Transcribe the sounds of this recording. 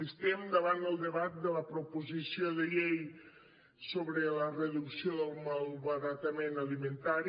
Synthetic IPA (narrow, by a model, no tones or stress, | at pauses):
ist̪emd̪əβand̪əlˠd̪əβat̪̚d̪ələpɾopuzisioðəʎej | soβɾələrəðuksioðəlˠmalˠβəɾat̪əmenəlimənt̪aɾi